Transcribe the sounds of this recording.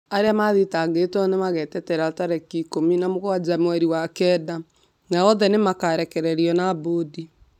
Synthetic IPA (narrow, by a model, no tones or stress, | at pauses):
aɾeamaðitaɣetɔnemaɣɛtɛtɛɾataɾɛkikominamoɣwad͡ʒamwɛɾiwakɛda | naɔðɛnemakaɾɛkɛɾɛɾiɔnabodi